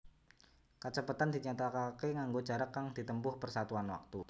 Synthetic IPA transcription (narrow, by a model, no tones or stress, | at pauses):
kət͡ʃəpat̪andiɲat̪akakeŋaŋɡod͡ʒaɾakːaŋd̥it̪əmbʊhpərsat̪uanwa̰k̚t̪u